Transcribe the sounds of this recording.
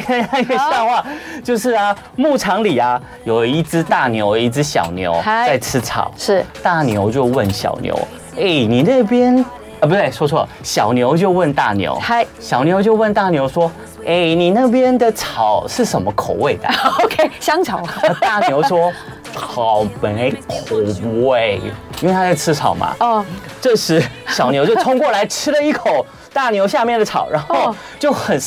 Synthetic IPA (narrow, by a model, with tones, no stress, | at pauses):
a˥˧˥ə˧ɕɑ˥˧ŋxwa˥˧t͡ɕjo˥˧ʊʂɻ̩˥˩ɐ˩ | mu˥˩ʈ͡ʂʰɑ˧˥ŋli˨˩ɐ˦ | jo˨˩ʊi˥˩ʈ͡ʂɻ̩˦t̪a˥˩njo˧ʊi˥˧ʈ͡ʂɻ̩˥ɕjɑ̰˨˩ʊnjo̰˧˥ʊa˥˧ɪʈ͡ʂ̩ʰ˥t͡sʰɑ̰˨˩˦ʊʂ̩˥˩t̪a˥˩njo˧˥ʊt͡ɕjo˥˧ʊwə˥˩nɕjɑ̰˨˩ʊnjo̰˧˥ʊ | e˥˩ɪni˨˩na˥˧pjɛ˥n | ə˩p̬u˨˩t̪we˥˩ʂwɔ˥ʂʰwɔ̰˦˨ɕjɑ˨˩ʊnjo˧˥ʊt͡ɕjo˥˧ʊwə˥˧nt̪a˥˩njo̰˧˥ʊ˥˩ɕjɑ˨˩ʊnjo˧˥ʊt͡ɕjo˥˧ʊwə˥˧nt̪a˥˩njo˧˥ʊʂwɔ˥ | e˥˩ɪni˨˩na˥˩p̬jɛ˥nd̪ə˨ʈ͡ʂʰɑ˨˩ʊʂɻ̩˥˩ʂə˨˩nmə˦kʰo˨˩ʊwe˥˩ɪd̪ə̰˩o˨˧kʰe˥ɕjɑ˥ŋt͡sʰɑ˨˩˦ʊə˥˧t̪a˥˩njo˧˥ʊʂwɔ˥ | t͡sʰɑ˨˩ʊme˧˥ɪkʰo˨˩ʊwe˥˩ɪi˥nwe˥˩t̪ʰa˥t͡sa˥˧ɪt͡s̩ʰ˥ʈ͡ʂʰɑ˨˩ʊmɐ̰˨˦˩ | ʈ͡ʂɤ˥˧˩ʂɻ̩˧˥ɕjɑ˨˩ʊnjo˧˥ʊt͡ɕjo˥˧ʊt̪ʰʊ˥ŋkwɔ˥˩la˧˥ɪʈ͡ʂʰɻ̩˥lə˨i˥˩kʰo˨˩ʊ | t̪a˥˩njo˧˥ʊɕja˥˧mjɛ˥˩ndə˩t͡sʰɑ̰˨˩˦ʊɻa˧˥no˥˧ʊ | t͡ɕjo˥˩ʊxə˨˩n